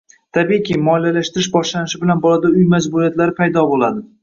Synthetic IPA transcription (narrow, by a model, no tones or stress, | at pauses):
t̪ʰabikʲimɒɪlalaʃt̪ɪɾɪʃbɒʃlanɪʃɪbɪlanbɒlad̪aʊjmazbʊɾijat̪laɾɪpʰajd̪ɒbolˠad̪ɪ